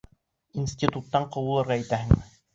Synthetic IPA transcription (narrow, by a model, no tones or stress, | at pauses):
insʲtʲit̪ut̪ːɑɴqŏwɤ̆lˠɤ̆ɾʁɑit̪æhɘ̆ŋmɘ